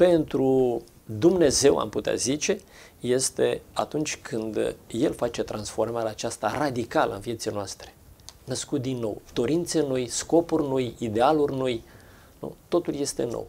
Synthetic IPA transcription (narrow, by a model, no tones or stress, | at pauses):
pe̞nt̪ɾu | d̪umne̞ze̞wa̰mput̪ea̰zit͡ʃe̞ | je̞st̪e̞a̰t̪unt͡ʃʲkʰɨnd̪je̞lfat͡ʃe̞t̪ɾʔansfo̞rmaɾeat͡ʃast̪arad̪ikalə̰ɨnvije̞t̪sijnoast̪ɾe̥nəskut̪̚d̪inːo̞̰wd̪̥o̞ɾint̪senojsko̞purʲno̞jid̪e̞alurʲnoj | nṵt̪o̞t̪ulje̞st̪e̞̰no̰w